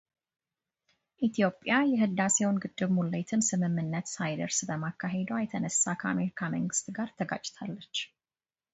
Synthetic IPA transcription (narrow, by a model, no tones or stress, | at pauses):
ʔit̪ʰijo̞pʼjajɛhɨd̪asewnɡɨd̪ːɨβmulːəjt̪ʰɨnsɨmɨmːɨnːət̪sajd̪əɾsbəmakːaɦe̞d̪wajɛt̪ʰənəsːakʰəa̰me̞ɾikʰaməŋɡɨst̪ɡaɾt̪ʰəɡa̰t͡ʃʼːt̪ʰalːət͡ʃː